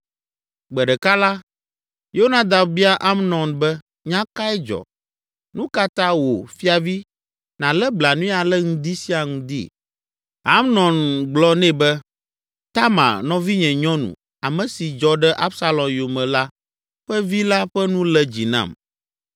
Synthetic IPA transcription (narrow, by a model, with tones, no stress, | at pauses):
ɡ͡bɛ˨ɖɛ˨ka˦la˦ | jo˦o˦nã˦˨d̪a˨bbi˦a˦ʔa˦mnɔ̃˨nbɛ˦ | ɲã˦ka˦ɛ˦d͡ʒɔ̰˨ | nũ˦ka˦t̪ã˦wo˨fi˦a˨vi˦ | nã˨lɛ˦bla˨nũ˦a˨lɛ˦ŋũ˦d̪i˦si˦a˨ŋũ˦d̪ḭ˦˨ | a˦mnɔ̃˨nɡ͡blɔ˦nɛ̃˦bɛ˦ | t̪a˦mã̰˨nɔ̃˦vi˦ɲɛ̃˨ɲɔ̃˦nṵ̃˨ | a˨mɛ̃˨si˨d͡ʒɔ˦ɖɛ˦ʔa˦bsa˦lɔ̃˨mjo˨mɛ̃˨la˦ | ɸɛ˦vi˦la˦ɸɛ˦nũ˦lɛ˦d͡ʑi˨nã̰˨m